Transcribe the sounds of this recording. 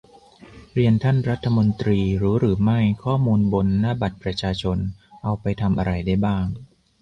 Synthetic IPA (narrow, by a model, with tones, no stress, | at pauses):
ɾi˧ənt̪ʰa˥˩nɾa˦˥t̪ʰːa˧mo˧nt̪ɾiː˧ɾɯː˩˦˥ɾɯː˩˦ma˥˩jkʰɔː˥˩muː˧nbo˧nːaː˥˩ba˨˩t̪̚pɾa˧t͡ɕʰaː˧t͡ɕʰo˧nʔa˧wpa˧jt̪ʰa˧mʔa˧ɾa˧jda˥˩jbaː˥˩ŋ